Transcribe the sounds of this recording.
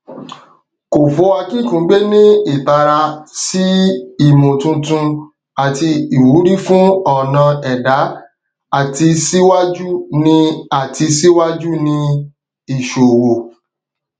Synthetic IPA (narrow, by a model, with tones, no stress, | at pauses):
ko˨fo˨˦wa˧kĩ˦˨kũ˨˦ɡ͡be˦nĩ˦i˦˨ta˧ɾa˧si˦i˨mũ˨tũ˧tũ˧ | a˨ti˧i˨wu˨˦ɾi˦fũ˦ɔ˦˨nã˧ɛ˨da˨˦ | a˦˨ti˧si˦wa˦d͡ʒu˦nĩ˧a˦˨ti˧si˦wa˦d͡ʒu˦nĩ˧ | i˦˨ʃo˨wo˨